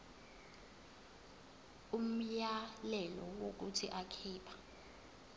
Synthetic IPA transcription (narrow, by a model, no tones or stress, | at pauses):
um̩jalɛlɔwok̬utʰiʔakʰiːpʰḁ